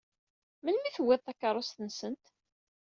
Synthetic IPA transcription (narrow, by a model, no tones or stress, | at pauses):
mənmiθwːɪðˤθɑkːɑɾˤost̪ənsənt̪